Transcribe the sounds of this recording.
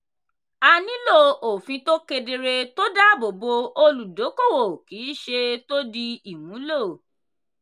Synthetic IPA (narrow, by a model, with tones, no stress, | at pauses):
a˧nĩ˦lo˦o˨fĩ˧to˦ke˧de˧ɾe˧to˦da˦bo˨bo˧o˧lu˨do˨˦ko˦˨wo˨kiː˨˦ʃe˧to˦di˧i˨wũ˨˦lo˦˨